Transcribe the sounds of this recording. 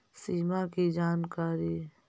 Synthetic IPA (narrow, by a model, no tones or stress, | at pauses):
siːmakid͡ʒaːnkaːɾi